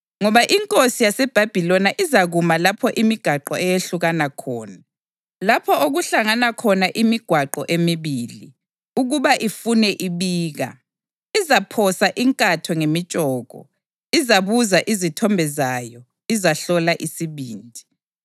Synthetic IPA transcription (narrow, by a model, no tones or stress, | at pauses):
ŋɔβaʔiŋkʼosijasɛb̥ʱab̥ʱilɔnaʔizaɣumalapʰɔʔimiɡ̥ʱaǃɔɛjeɬuɣanakʰɔːna | lapʰɔoɣuɬaŋanakʰɔnaʔimiɡ̥ʱwaǃɔʔemiβilḭ | uɣuβaʔifunɛʔiβiːɣa̰ | izapʰɔsaʔiŋkʼatʰɔŋemit͡ʃʼɔːɣɔ̰ | izaβuzaʔizitʰɔmbʱɛzajɔ | izaɬɔlaʔisiβiːndʱi̥